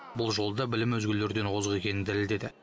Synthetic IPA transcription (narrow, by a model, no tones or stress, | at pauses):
bʊlˠʒo̞lˠd̪ɑbɪlɪmwɵzɡʲɪlːe̞ɾd̪e̞nqʰozəʁe̞kʲe̞nɪnd̪æɾɪld̪e̞d̪ɪ